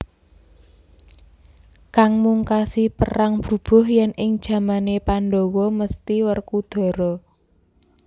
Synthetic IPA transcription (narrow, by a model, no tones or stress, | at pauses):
kaŋmuŋkasipəɾaŋb̥ɾṳb̥ɔ̤hjɛnʔɪŋd̥ʒ̥ä̤manepanɖɔwɔməst̪iwərkud̪̥ɔ̤ɾɔ